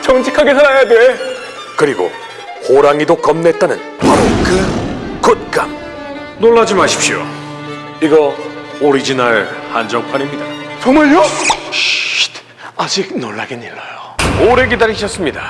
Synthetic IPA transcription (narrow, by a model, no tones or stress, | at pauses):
t͡ɕʌŋd͡ʑikʰaɡesʰaɾajade̞ | kɯɾiɡo̰ | hoɾaŋidokʌmne̞t̚t͈anɯn | paɾokɯkot̚k͈am | noɭːad͡ʑimaɕʰi̥p̚ɕio̰ | iɡʌ | oɾid͡ʑinaɭhand͡ʑʌŋpʰanimɲidat͡ɕʌŋmaɭjʌ | t | ad͡ʑiɡ̚noɭːaɡiniɭːajooɾe̞ɡedaɾiɕʰʌs͈ɯmɲida